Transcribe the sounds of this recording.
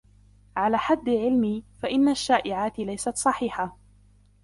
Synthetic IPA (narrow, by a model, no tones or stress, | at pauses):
ʕalaːħad̪ːɪʕɪlmiːfaʔɪnːaʃːaːʔɪʕaːt̪ɪlajsat̪sˤɑħiːħa